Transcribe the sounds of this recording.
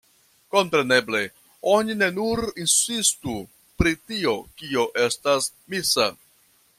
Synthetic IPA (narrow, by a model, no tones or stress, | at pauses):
ko̞mpɾe̞ne̞ble̞ | o̞nine̞nuɾinsistu | pɾitio̞kio̞ʔe̞stas | misa̰